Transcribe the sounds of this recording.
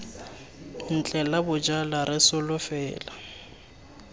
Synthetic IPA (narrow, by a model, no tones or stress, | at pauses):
n̩t͡ɬʼɛlabʊd͡ʒalaɾɪsʊlʊfɛːla